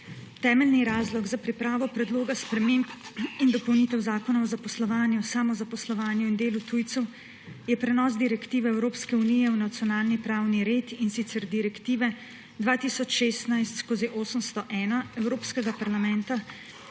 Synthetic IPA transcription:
t̪ɛːmɛlniɾaːzlɔɡzapɾipɾaːʋɔpɾɛd̪loːɡaspɾɛmempind̪ɔpɔwniːt̪ɛwzaːkɔnaɔzapɔslɔʋaːnjusamɔzapɔslɔʋaːnjuind̪eːlut̪uːjt̪sɛw | jɛpɾɛnɔz̬d̪iɾɛkt̪iːʋɛɛwɾoːpskɛunijɛwnat̪sijɔnaːlnipɾaːwniɾeːt̪insit̪sɛɾd̪iɾɛkt̪iːʋɛ | d̪ʋaːt̪isɔt͡ʃʃeːst̪najst̪skoːziʔoːsəmst̪ɔʔɛːnaɛwɾoːpskɛɡapaɾlamɛnt̪a

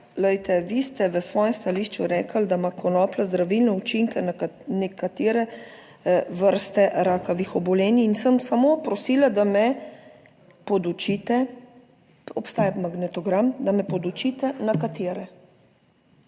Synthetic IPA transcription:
ləjt̪ɛʋist̪ɛʋəsʋɔːjɛmst̪aliːʃt͡ʃuɾɛːkəld̪amakʰɔnɔːplazd̪ɾaʋilnɛut͡ʃiŋkɛnɛkat̪eːɾɛ | ʋəɾst̪ɛʔɾaːkɔʋixɔbɔleːniːnsəmsamopɾɔsiːlad̪amɛ | pɔd̪ut͡ʃiːt̪ɛ | ɔpst̪aːjamaɡnɛt̪ɔɡɾamd̪amɛpɔd̪ut͡ʃit̪ɛnakat̪eːɾɛ

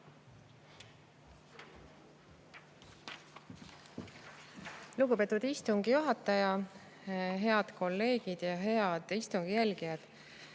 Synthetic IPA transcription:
luɡubet̪ːˑud̪̥ist̪uŋɡijuɦɑt̪ːˑɑjɑ | ɦe̞ɑd̪̥ko̞lːe̞ːɡ̥id̪̥jɑɦe̞ɑd̪̥ist̪uŋɡ̥ijælɡ̥ijɑd̪̥

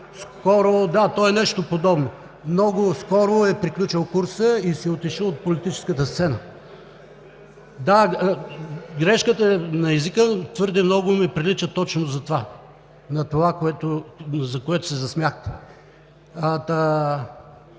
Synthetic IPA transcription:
skɔɾod̪at̪ɔɛnɛʃt̪opod̪ɔbno | mnɔɡʊskɔɾʊɛpɾiklʲut͡ʃəlˠkuɾsəisɛot̪iʃəlˠot̪̚polit̪it͡ʃɛ̥skət̪əst̪sɛnə | d̪a | ɡɾɛʃkət̪ənɐɛzikət̪vɤɾd̪ɛmnɔɡʊmɛpɾilit͡ʃət̪ɔt͡ʃnozɐt̪ova | nɐt̪ovakoɛt̪ozɐkoɛt̪ʊ̥sɛzɐsmʲjaxt̪ɛ̥ | ɐt̪a

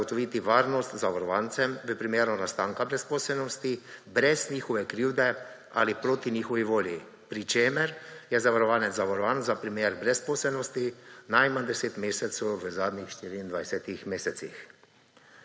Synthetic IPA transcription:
ɡɔt̪ɔʋiːt̪iʋaːɾnɔst̪zaʋaɾɔʋaːnt̪sɛmʋəpɾimeːɾnɔnast̪aːŋkabɾɛspoːsɛlnɔst̪ibɾɛzniːxɔʋɛkɾiːwd̪ɛ | a̰lipɾoːt̪inixɔʋiʋoːlji | pɾit͡ʃeːmɛɾjɛzaʋaɾɔʋaːnɛt̪zaʋaɾɔʋaːnzapɾimeːɾbɾɛspoːsɛlnɔst̪inajmand̪ɛseːt̪meːsɛt̪sɔwʋəzaːd̪ɲixʃt̪iːɾiːnd̪ʋajsɛt̪ixmeːsɛt̪sḭx

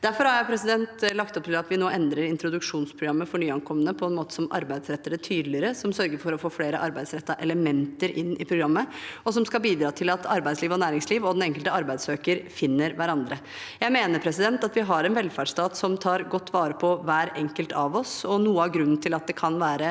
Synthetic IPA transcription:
d̪æɾfɔɾhɑɾjæɪpʰɾɛsɪd̪ɛnt̪lɑkt̪ɔp̚t̪ʰɪlɑt̪ʋɪnoːʔɛnd̪ɾəɾɪnt̪ɾʊd̪ʉkʂuːnspʰɾʊɡɾɑmːəfɔɳyːɑŋkʰɔmːənəpʰɔɛnmoːt̪ə̥sɔmʔɑ̰ɾbæɪd̪sɾɛt̪ːəɾət̪ʰyːd̪lɪɾəsɔmsœɾɡəɾfɔɾɔfoːfleːɾəʔɑɾbæɪd̪sɾɛt̪ːɑʔɛləmɛnt̪əɾʔɪ̰nːɪpʰɾʊɡɾɑmːəɔsɔmskɑlbiːd̪ɾɑːt̪ʰɪlɑt̪ʰɑɾbæɪd̪sliːʋɔnæːɾɪŋsliːʋɔd̪ɛnɛŋkəlt̪əɑɾbæɪd̪søːkəɾfɪnːəɾʋæɾɑnd̪ɾə | jæɪmeːnəɾpʰɾɛsɪd̪ɛnt̪ɑt̪ʋɪɦɑɾɛnʋɛlfæɖʂt̪ɑːt̪sɔmt̪ʰɑːɾɡɔt̪ːʋɑːɾəpʰɔʋæːɾɛŋkəlt̪ʰɑʋɔsɔnuːəɑɡɾʉnːn̩t̪ʰɪlɑt̪̚d̪ɛkʰɑnʋæːɾə

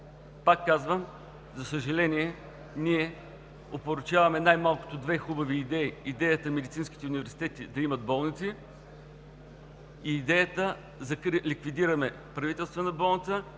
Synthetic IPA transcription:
pakːazvəm | zɐsəʒɐlɛniɛ | niɛ | opoɾʊt͡ʃavɐmɛnajmalˠko̥t̪od̪vɛxubɐviːd̪ɛiːd̪ɛjət̪əmɛd̪it̪sinski̥t̪ɛʊunʲivɛɾsi̥t̪ɛt̪id̪ɐimɐd̪̚bɔlˠnit̪si | iːd̪ɛjət̪ə | zɐkɾlikvid̪iɾɐmɛ | pɾɐvit̪ɛlˠst̪vənɐbɔlˠnit̪sə

